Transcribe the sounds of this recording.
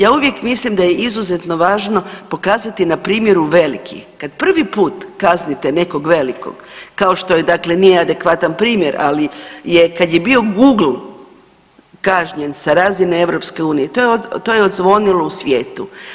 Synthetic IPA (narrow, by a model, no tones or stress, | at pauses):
jaːuʋje̞kmislimd̪ajeʔizuze̞t̪no̞ʋaːʒno̞po̞kaːzat̪inapɾiːmje̞ɾuʋe̞lḭkʰḭxkad̪pr̩ʋipuːt̪kaznit̪ene̞ko̞ɡʋe̞liko̞̰ɡkao̞ʃt̪o̞jed̪aklenijead̪e̞kʋat̪anpɾiːmje̞ɾʔa̰lije̞kad̪jebio̞ɡuːɡl̩ | kaʒɲensaɾaːzinee̞ʋɾo̞pske̞uːnijet̪ojeot̪ojeod̪zʋo̞nilˠousʋje̞ːt̪u